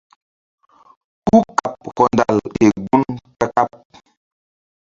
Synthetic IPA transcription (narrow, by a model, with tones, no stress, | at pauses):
ku˦ka˨p̚kɔ˨nda˨le˨ɡu˦nka˦ka˦p̚